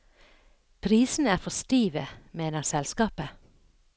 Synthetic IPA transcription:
pʰɾiːsn̩æːfɔst̪iːʋəmeːnəʁsɛlskɑːpə

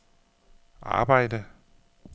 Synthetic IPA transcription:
ʔɑ̰̈ːb̥ɑ̈ɪ̰d̥ə

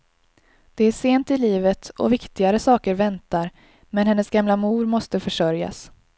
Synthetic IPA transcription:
d̪̥ɛæʂeːnt̪ɪliːvət̪ʰɔ̰vɪkt̪ɪɡaɾəsɑːkəɾvɛnt̪aɾ | mɛnhɛnːəsɡamlamuːɾmɔst̪əfœʂœɾja̰s

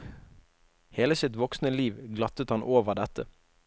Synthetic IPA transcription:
heːləsɪt̪ʋɔksnəliːʋɡlɑt̪ət̪hɑnʔoːʋəʁd̪ɛt̪ə

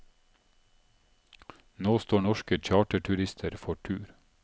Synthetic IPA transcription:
noːst̪oːɳɔʃkəc͡çɑːʈəʈʰʉɾɪst̪ʰəɾfɔʈʰʉːɾ

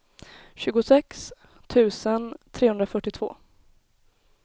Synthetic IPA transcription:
ɕʉ̟ːɡʊsɛks | t̪ʰʉ̟ːsənt̪ʰɾeːhɵnd̪ɾafœʈːɪt̪ʰv̥o̰ː

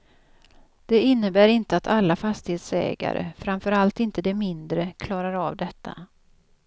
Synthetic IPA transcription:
d̪̥ɛɪnːəbæːɾɪnt̪əat̪ʰalːafast̪ɪheːt̪sɛ̰ːɡa̰ɾə̰fɾamfœɾalt̪ɪnt̪əd̪ɛmɪnd̪ɾəkʰlɑːɾaɾavd̪ɛt̪ʰːa̰

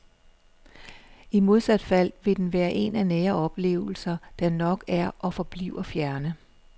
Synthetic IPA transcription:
imo̝ð̞ˠsæd̥fæl̰ʋe̝d̥enʋæːɐʔe̝nænɛːɐɒ̽b̥le̝̰ːʊl̩sɐd̥ænɒ̽ɡ̥æɐʔɒ̽fɒ̽b̥lḭʊɐfjæɐnə

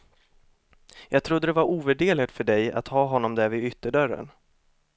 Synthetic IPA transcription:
jɑːɡ̚t̪ʰɾʊd̪ːəd̪ɛvaɾʔuːvæɖeːlɪt̪fœɖɛja̰t̪hɑːɦɔnːɔmd̪æɾvɪʏt̪ːəɖœɾə̰n

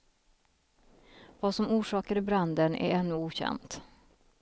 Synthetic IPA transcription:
vaːsɔmuːʂɑːkəɾɪbɾand̪ənæ̰ɾɛnːɵuːɕɛ̰nt̪

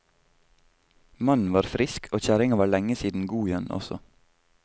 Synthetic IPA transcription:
mɑnn̩ʋɑːɾfɾɪskʰoːc͡çæɾɪŋɑʋɑːɭɛŋəsiːd̪n̩ɡuːjɛnɔ̰sɔ̰

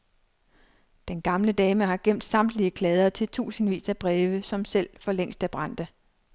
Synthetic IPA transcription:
d̥enɡ̥ɑ̈mləd̥ɛːməɦɑ̈ɡ̥em̰d̥sɑ̈m̰d̥liəkʰlɛːð̞ˠɐt͡sʰe̝lt͡sʰṵːsn̩ʋḭːsæb̥ʁɛːʋəsɒ̽msel̰fɒ̽leŋ̰sd̥æb̥ʁɑ̈n̰d̥ə

